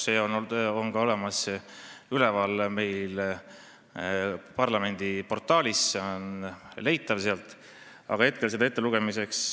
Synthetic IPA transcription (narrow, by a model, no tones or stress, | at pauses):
seono̞nɡ̥ɑo̞le̞mɑs | ylɛvɑlme̞jl | pɑrlɑme̞nʲd̪̥ipo̞rt̪ːˑɑːlʲisːeonle̞jt̪ːˑɑvseɑlt̪ˑ | ɑ̰ɡ̥ɑhe̞t̪̚ke̞lsed̪ɑet̪ːeluɡ̥e̞mise̞ks